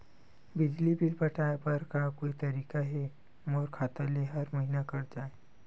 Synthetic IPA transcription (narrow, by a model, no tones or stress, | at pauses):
bɪd͡ʒlibilpɐʈʰaːepɐɾkakoːit̪ɐɾiːkaɦɛ | moːɾkʰaːt̪aleɦɐɾmɐɦinakɐɾd͡ʒaːe